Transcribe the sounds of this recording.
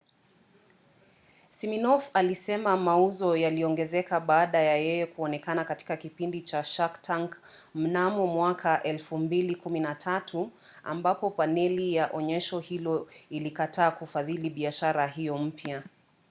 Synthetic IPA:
siminɔfalisɛmamauzɔjaliɔŋɡɛzɛkaɓaːɗajajɛjɛkuɔnɛkanakati̥kakipindit͡ʃaʃaktʰaŋk | m̩namɔmwakʰaʔɛlfumbilikuminatʰatʰu | a̰mbapɔpanɛlijaʔɔɲɛʃɔhilɔilikatʰaːkufaðiliɓiaʃaɾaɦijɔm̩pja

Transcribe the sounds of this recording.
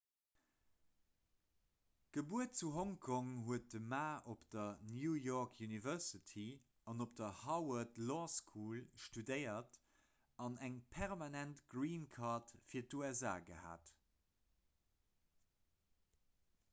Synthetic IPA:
ɡ̥əbuət̚t͡suɦoŋkʰoŋɦuət̚dəmaːʔopd̥ɐnjuːjɔːkʰjunivɛsitʰi | ɑnop̚d̥ɐhɑwɐtlɔskʰuːlʃtudəɪɐt | ɑnæŋpʰɛʁmɑnæntɡʁiːnkʰɑːtfiːɐtuɛza̰ːɡəha̰ːt

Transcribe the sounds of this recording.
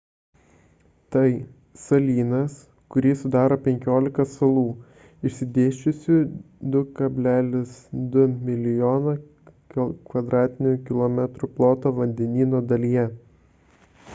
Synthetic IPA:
t̪ɐɪ | sɐlʲiːnɐs | kʊɾʲiːsʊd̪ɑːɾoːpʲɛŋʲkʲoːlʲɪkɐsɐlˠuː | ɪʃʲsʲɪd̪ʲeːʃʲt͡ʃʲʊsʲuːd̪ʊkɐbʲlʲæːlʲɪsd̪ʊmʲɪlʲɪjoːnɐ | kʋɐd̪ɾɑːt̪ʲɪnʲʊkʲɪlˠɔmʲɛt̪ɾʊplˠoːt̪oːʋɐnʲd̪ʲɛnʲiːnoːd̪ɐlʲijɛ

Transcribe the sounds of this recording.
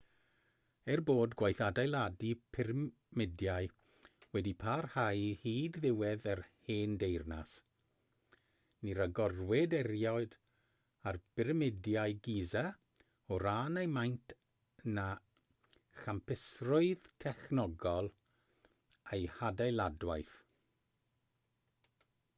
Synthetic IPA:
ɛrboːdɡwajθadajlˠadipʰɪr | mɪdjaj | wɛdipʰarhajhiːdðɪwɛðərheːndejrna̰s | niɾaɡɔrwɛdɛɾjɔɨd | arb̥ɪɾmɪdjajɡiːza | ɔɾaːnejmajntʰ | na | χampʰɪsrʊɨðtʰɛχnɔɡɔlˠ | ejhadajlˠadwajθ

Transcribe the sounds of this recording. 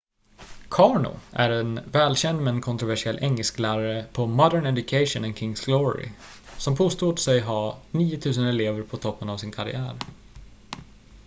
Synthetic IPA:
kʰɑːɳʊ̰ʔæɾɛnvɛːlɕɛnd̪mɛnkʰɔnt̪ɾʊvæʂɪɛlːʔɛŋːəlsklæːɾaɾəpʰɔmɔd̪əɳɛd̪ɵkʰɛɪʂʊnɛnkʰɪŋsɡlɔɹɪ̰ | sɔmpʰoːst̪uːd̪sɛjɦɑniːʊt̪ʰʉ̟ːs̬ənɛleːvəɾpʰɔt̪ʰɔpːənavsɪnkʰaɾɪ̰æ̰ːɾ

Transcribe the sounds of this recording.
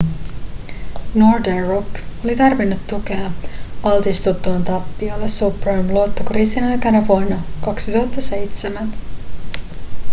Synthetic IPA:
norderoko̞lit̪ɑrʋinːut̪ːuk̟e̞ɑɑlt̪ist̪ut̪ːuɑnt̪ɑpːiolːesuprojmluot̪ːokriːsinɑjkɑnɑʋuonːɑkɑksit̪uɦɑt̪ːɑse̞jt̪semæn

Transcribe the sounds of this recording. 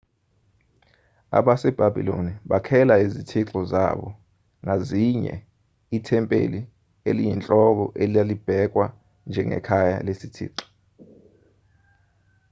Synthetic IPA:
a̰ɓasɛb̥ʱabʱḭlo̰niɓakʰɛlaizitʰiǁɔza̰ɓɔ | ŋaziɲɛ̰ | itʰɛmpʼḛli | elijint͡ɬʼɔɓ̬ɔʔelijalib̥ʱɛk̬wa | nd͡ʒʱɛŋɛ̰kʰaja̰lesitʰḭːǁɔ̥

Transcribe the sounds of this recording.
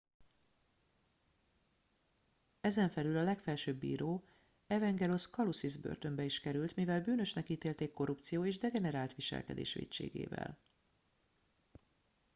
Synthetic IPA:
ɛzɛɱfɛlylɒlɛkfɛlʃøːbːḭːɾoː | ɛvɛŋɡɛloskɒlusizbø̰rt̪ø̞mbɛiʃkɛɾylt̪mivɛlbyːnø̞ʃnɛkiːt̪eːlt̪eːkːo̞ɾupt̪sijoːeːʒd̪ɛɡɛnɛɾaːlt̪ʋiʃɛ̰lkɛ̰d̪ḛːʃʋḛːct͡ʃḛːɡḛːvɛ̰l

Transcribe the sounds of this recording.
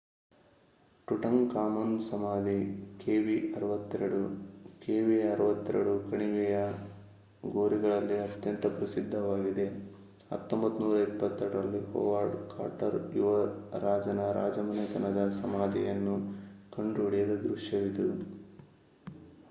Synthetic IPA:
ʈuʈɐŋkaːmɐnsɐmaːd̪ʱikeːʋiɐɾɐʋɐt̪ːɛɾɐɽukeːʋiɐɾɐʋɐt̪ːɛ̰ɾɐɽukɐɳiʋɛjɐ | ɡoːɾiɡɐɭɐlːiɐt̪jɐnt̪ɐpɾɐsid̪ʱːɐʋaːɡid̪e̞ | ɐ̰t̪ːombɐt̪ːunuːɾɐipːɐt̪ːɐɾɽɾɐlːihɔ̰ːʋaːɾɖka̰ːʈɐɾjuʋɐɾaːd͡ʒɐnɐɾʔa̰ːd͡ʒɐmɐnɐt̪ɐnɐd̪ɐsɐmaːd̪ijɐnːukɐɳɖoːɽijɐɾud̪ɾuʂjɐʋid̪u

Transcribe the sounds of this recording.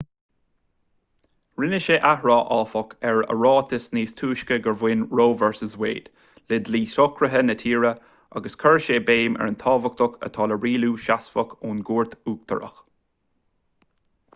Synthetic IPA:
ɹɪnɪʃeʔahɹɑːʔɑːfɔkɛɹə̰ɹɑːt̪ʰɪsniːst̪ʰuːʃkəɡəɹvɪnɹoːvɛɹsəzwḛːd̪̥ | lɪd̪liːsɔkʰɹəɦənət̪ʰiːɹə | a̰ɡəskʰəɹʃeːbeːmɛ̰ɹənt̪ʰɑːvək̚t̪ʊkʰə̰t̪ʰɑːləɹiːluːʃasfəkʰuːnɡuːɹt̪uːk̚t̪ʰə̰ɹə̰x

